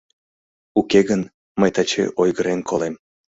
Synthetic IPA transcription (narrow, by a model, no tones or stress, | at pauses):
ukeɣən | məjt̪ɑt͡ɕḛʔojɣəɾenkʰolem